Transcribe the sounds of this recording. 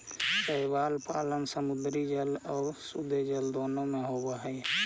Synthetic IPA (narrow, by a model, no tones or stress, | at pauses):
səibaːlpaːlənsəmud̪ɾid͡ʒəlɔːɾsud̪ʱed͡ʒəld̪oːnomeɦobeɦəj